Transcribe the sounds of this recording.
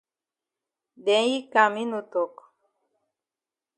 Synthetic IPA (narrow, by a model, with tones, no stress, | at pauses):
dɛ˨˦ji˦ka˨mi˦nu˨to˨k